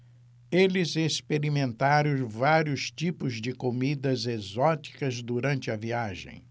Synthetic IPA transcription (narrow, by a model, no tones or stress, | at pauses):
elɪzespeɾimẽnt̪aɾõvaɾjiʊst͡ʃipʊzd͡ʒɪkomid̪ɐzezɔt͡ʃi̥kɐzd̪uɾɐ̃nt͡ʃɪɐviaʒḛ̃j̃